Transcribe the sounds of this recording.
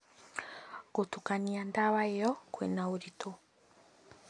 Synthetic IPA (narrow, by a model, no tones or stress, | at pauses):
ɡutukaniandaβaejɔkwɛ̰nauɾito